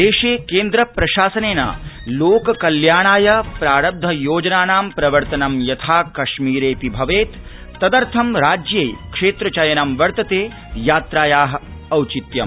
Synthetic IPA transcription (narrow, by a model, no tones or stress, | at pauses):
d̪eːʃeːkeːnd̪ɾɐpɾɐʃaːsɐneːna̰ːloːkɐkɐljaːɳ̃aːjɐpɾaːɽɐb̚d̪ʱɐjoːd͡ʒɐnaːnaːmpɾɐʋɐɾt̪ɐnɐmjɐt̪ʰaːkɐʃmiːɾeːpibʱɐʋeːt̪ː | ɐd̪ɐɾt̪ʰɐmɾaːd͡ʒjejkʂeːt̪ɾɐt͡ʃɐjɐnɐmʋɐɾt̪ɐt̪eː | jaːt̪ɾaːjaːɦɐ̆ɐwt͡ʃit̪jɐm